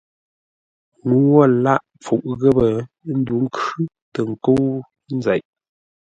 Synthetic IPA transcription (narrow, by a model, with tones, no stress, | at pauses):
ŋu˨˦wɔ˦˨la˦˨ʔ | p͡fu˨ʔɣə˦bə˨˦ | n̩˦du˨˦ŋ̩˦kʉ˦ | tə˨ŋ̩˨ko˦w | n̩˦za˨ʔ